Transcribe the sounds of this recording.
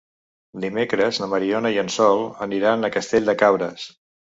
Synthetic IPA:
d̪imekɾəznəməɾionəiənsɔlˠəniɾanəkəst̪eʎʲd̪əkaβɾəs

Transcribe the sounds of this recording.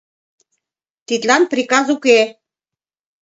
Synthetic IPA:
t̪it̪lɑnpɾikɑzuke

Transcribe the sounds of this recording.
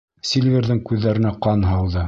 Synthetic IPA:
sʲilʲvʲeɾðɘŋkʉðːæɾɘ̆næqɑnɦɑwðɤ

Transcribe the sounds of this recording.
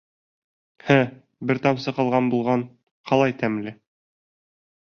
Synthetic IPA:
hæ | bɘɾt̪ɑmsɤ̆qɤ̆lˠʁɑnbulˠʁɑn | qɑlˠɑjt̪æmlɘ

